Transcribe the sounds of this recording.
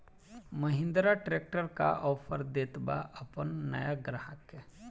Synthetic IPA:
məɦɪ̃nd̪ɾaʈɾeːk̚ʈəɾka̰ʔɔːpʰəɾd̪eːt̪baʔəpənːəjaɡɾaɦəke

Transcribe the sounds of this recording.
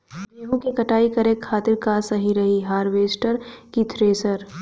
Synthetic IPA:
beːɦũkikɐʈaːikɐɾekʰːaːt̪ɪɾkaːsɐɦiɾɐɦiɦaːɾʋeːsʈəɾkit̪ʰɾeːsəɾ

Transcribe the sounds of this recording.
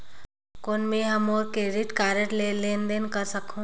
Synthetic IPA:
koːnmẽɦɐmoːɾkeɾɪʈkaːɾəʈleleːnd̪enkəɾsəkʰũ

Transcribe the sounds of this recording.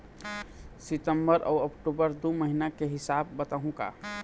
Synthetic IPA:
sɪt̪əmbəɾʔɔ̰ːəkʈubəɾd̪uməɦinakeɦɪsabːət̪aɦũka̰

